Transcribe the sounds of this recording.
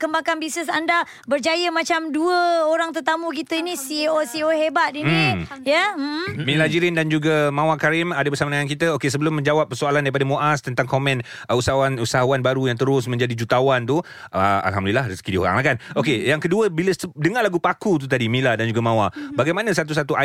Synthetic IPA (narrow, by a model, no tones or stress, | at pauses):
kəmbakanbisəsanda | bərd͡ʒajəmãt͡ʃamduəoɾaŋt̪ərt̪amũkit̪əinisiosioɦebat̪̚imnijəm̩h̩mĩlad͡ʒiɾɪndand͡ʒuɡamãwakaɾɪmadabərsamanəŋank̬it̪əokes̬əbəlʊmːə̃ɲd͡ʒawap̚ːərsualandaɾipadamõʔast̪ənt̪aŋkomɛ̃n | əusaawanusaɦuanbaɾujaŋt̪əɾʊsmə̃ɲd͡ʒadid͡ʒut̪awant̪u | ʔəa̰lɦamdəlilahrisəkidio̰ɾa̰ŋlahkanokejaŋkəduəbiləsədəŋalaɡupakut̪̬ut̪̬adimĩladand͡ʒuɡamãwabaɡajmanãsat̪̬us̬at̪uʔa